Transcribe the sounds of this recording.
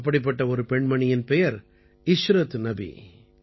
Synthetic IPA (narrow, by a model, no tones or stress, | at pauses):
p̬ːɐɽɪp̬ːɐʈːɐɔɾɯpɛɳmɐɳɪjɪnpɛjɐɾ | ɪʃɾɐt̪nɐbḭ